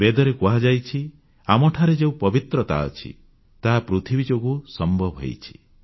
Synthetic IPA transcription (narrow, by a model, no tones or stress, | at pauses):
bed̪ɔɾekuɦad͡ʒajt͡ʃʰi | amɔʈʰaɾed͡ʒeũpɔbit̪ɾɔt̪a̰ɔ̰t͡ʃʰḭ | t̪aɦapɾut̪ʰibid͡ʒoɡusɔmbʱɔbʱɦɔ̰jt͡ʃʰi̥